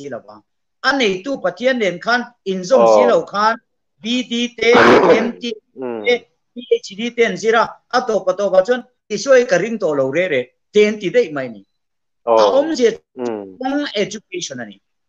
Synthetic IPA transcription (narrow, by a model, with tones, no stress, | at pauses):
i˧˦la˨ba˨ŋ | ʔa˦ne˨jt̪u˦˨pɐ˨t̪ʰi˦˥ə˦nlɛ˨nkʰa˦˨ni˨nzɔ˦˨msi˦lo˨wkʰa˦n | bi˦di˧˦t̪ɛ˦ɛ˧mt̪i˧t̪ɛ˦ | bi˦ʔe˨jsi˧di˦t̪ɛ˦˨nzi˦ɾa˧˨ʔa˦t̪ɔ˨pa˨t̪ɔ˨ba˨t͡su˦n | i˨su˥˦˨jkɐ˨ɾi˦˨ŋt̪ɔ˨lɔ˨wɾɛ˦ɾɛ˨ʔ | t̪ɛ˨nt̪i˨d̪e˦˨jma˨jnḭ˨ | ʔa˨ʔɔ˦mzɛ˨ɔ˦ŋɛ˧d͡ʒu˧k̚e˧sɔ˨na˨nḭ˨